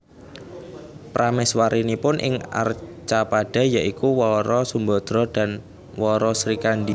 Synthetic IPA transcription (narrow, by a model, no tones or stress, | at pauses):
pɾamɪswaɾinipʊnʔɪ̰ŋa̰rt͡ʃapaɖ̥a̤jaʔikuwɔɾɔsumbɔd̪̥ɾɔd̥a̤n | wɔɾɔsɾikandi